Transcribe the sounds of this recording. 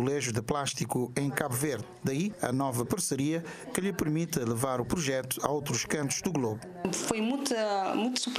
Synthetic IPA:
lˠeʒud̪ɨplˠaʃt̪ikuẽj̃kaβuveɾd̪ | d̪ɐiɐ̰nɔvɐpɐɾsɨɾiɐkɨʎɨpɨɾmit̪ɐlˠɨvaɾupɾuʒɛt̪u̥ɐowt̪ɾuʃkɐ̃nt̪u̥ʒd̪uɣlˠoβu | fojmũj̃t̪ɐmũj̃t̪u̥sup

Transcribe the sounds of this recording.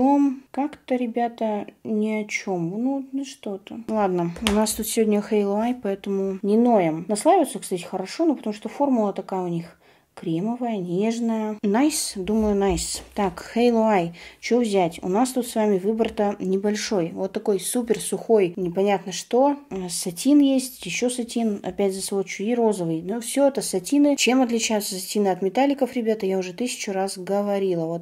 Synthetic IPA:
omkakt̪əɾʲɪbʲat̪ənʲɪɐt͡ɕomnunɨʂt̪ot̪əlˠad̪nəʊnast̪ut̪sʲɪvodʲnʲəxejlˠʊajpɐɛt̪əmʊnʲɪnojɪmnɐslˠavʲət̪səkst̪atʲɪ̥xəɾɐʂo̞nopət̪ɐmuʂt̪ofo̞rmʊlˠət̪ɐkajəʊnʲix | kɾʲeməvəjənʲeʐnəjənajsd̪uməjʊnajst̪akxejlˠʊajt͡ɕovzʲætʲʊ̰nast̪ut̪svamʲɪvɨbərt̪ənʲɪbɐlʲʂo̞jvo̞t̪ːɐko̞jsupʲɪrsʊxo̞jnʲɪpɐnʲat̪nəʂt̪o̞sɐtʲinjesʲtʲjɪɕːosɐtʲinɐ̰pʲætʲzəsvot͡ɕʊiro̞zəvɨjnufsʲɵɛt̪əsɐtʲinɨt͡ɕe̞mɐt̪lʲɪt͡ɕæjʊt̪səsɐtʲinɨɐt̪mʲɪt̪alʲːɪkəfɾʲɪbʲat̪əjaʊʐɛt̪ɨsʲɪ̥t͡ɕʊɾasɡəvɐɾʲilˠəvo̞t̪̚

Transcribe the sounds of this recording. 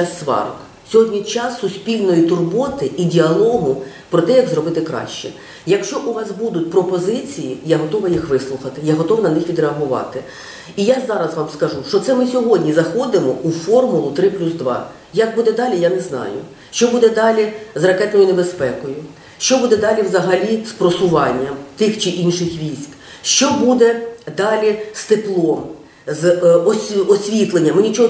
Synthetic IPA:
sːʋɑ̰ɾɔ̰k | sʲɔɦɔdʲnʲit͡ʃɑsːʊsʲpʲilʲnɔjit̪ʊrbɔt̪ɪʔidʲiɐlˠɔɦʊ | pɾɔt̪ɛjɐɡzɾɔbɪt̪ɪkɾɑ̰ʃt͡ʃɛ | jɐkʃt͡ʃɔʔuʋɑsbud̪ʊtʲpɾɔpɔzɪt͡sʲijijaɦɔt̪ɔʋɐjixʋɪslˠʊxɐt̪ɪjaɦɔt̪ɔʋnɐnɪxʋʲid̪ɾeɐɦʊʋɑ̰t̪ɪ | ijazɑɾɐzʋɑmskɐʒuʃt͡ʃɔt̪sɛmɪsʲɔɦɔdʲnʲizɐxɔd̪ɪmɔufɔrmʊlˠʊt̪ɾɪplʲuzd̪ʋɑ̰ | jɐk̚bud̪ɛd̪ɑlʲijanɛznɑ̰jʊ̰ | ʃt͡ʃɔbud̪ɛd̪ɑlʲizrɐkɛt̪nɔjʊnebespɛkɔjʊ | ʃt͡ʃɔbud̪ɛd̪ɑlʲiʋzɐɦɐlʲispɾɔsʊʋɑnʲːɐmt̪ɪxt͡ʃɪʔinʃɪxʋʲisʲk | ʃt͡ʃɔbud̪ɛd̪ɑlʲist̪ɪplˠɔm | zɔsʲɔsʲʋʲit̪lˠenʲːɐmɪnʲit͡ʃɔɦɔ

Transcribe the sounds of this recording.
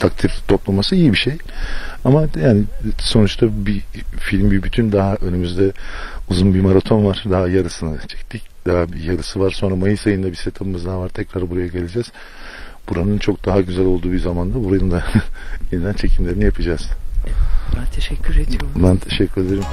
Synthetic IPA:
t̪ʰakt̪ʰift̪ʰo̞plˠamasɯijibiʃej | amajaːnɪso̞nut͡ʃt̪ʰabifilʲmbibyt̪ʰynd̪aɦaʔø̞nymyzd̪ɛuzunbimaɾat̪ʰo̞nvaɾ̥d̪aɦajaɾɯsɯnɯt͡ʃʰɛ̥ct̪ʰicd̪̥aɦabijaɾɯsɯvaɾ̥so̞nɾamajɯsajɯnd̪abise̞t̪ʰabɯmɯzd̪aːvaɾt̪ʰɛcɾaɾbuɾajaɟe̞lʲed͡ʒɛz̥ | buɾanɯnt͡ʃʰo̞k̚d̪aɦaɟyzælʲo̞lˠd̪uːbizamand̪abuɾanɯnd̪aenid̪ænt͡ʃʰe̞cʰimlʲeɾinijapʰɯd͡ʒaz̥ | t̪ʰeʃɛcʰːyɾed̪bund̪ant̪ʰe̞ʃɛcʰːyɾe̞d̪eɾim

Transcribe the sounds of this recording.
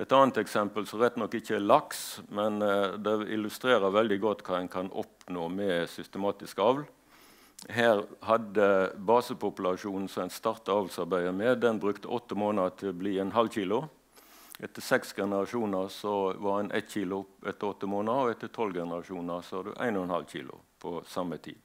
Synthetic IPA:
ɛt̪ɑːnt̪ɛksɛmpəlsɔʁɛt̪ːnɔkːɪçəælɑksmɛnd̪ɛɪ̰lʉst̪ɾeːʁəʋɛld̪ɪɡɔt̪ːkʰɑːæɪnkʰɑnɔ̰pnoːmɛsʏst̪əmɑːt̪ɪskɑʋl | ɦæːʁhɑd̪əbɑːsəpʊpʉlɑʂuːnn̩sɔæɪnst̪ɑʁt̪əɑːʋlsɑʁbæɪəmɛd̪ɛnbʁʉkt̪əʔɔt̪ːəmoːnət̪ʰɪlɔbliːɛnɦɑlçiːlʊ | ʔɛt̪ːəsɛksɡɛnəʁɑʂuːnəʁsɔʋɑʁɛnʔɛ̰t̪ːçiːlʊɛt̪ːəɾɔt̪ːəmoːnəɔɛt̪ːət̪ʰɔlɡɛnəʁɑʂuːnəʁsɔʋɑd̪ʉ̰ʔæ̰ɪnɔɛnhɑ̰lçḭːlʊ̰pʰɔsɑmət̪ʰḭːd̪̥

